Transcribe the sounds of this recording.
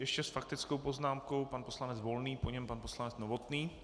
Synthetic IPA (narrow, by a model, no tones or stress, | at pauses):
jɛʃcɛsfak̚t̪ɪt͡skowpo̞znaːmko̞wpanpo̞slanɛd͡zvo̞lniːpoɲɛmpanposlanɛt͡snovot̪niː